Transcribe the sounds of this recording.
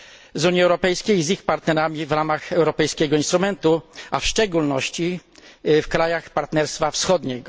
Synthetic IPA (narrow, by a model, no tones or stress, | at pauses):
zuɲiɛwɾɔpɛjskʲejzixpaɾt̪nɛɾamʲivɾamaxɛwɾɔpɛjskʲɛɡɔinst̪ɾumɛnt̪uafʂt͡ʂɛɡulnɔɕt͡ɕi | fkɾajaxpaɾt̪nɛɾst̪fafsxɔd̪ɲɛɡɔ